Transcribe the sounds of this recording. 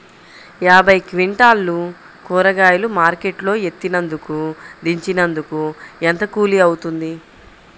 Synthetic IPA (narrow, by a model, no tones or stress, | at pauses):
jaːbʱɐjkʋiɳʈaːlːu | kuːɾɐɡaːjulumaːɾke̞ʈlo̞ːe̞t̪ːinɐnd̪ukud̪iɲt͡ʃinɐnd̪ukuent̪ɐkuːliɐwut̪und̪i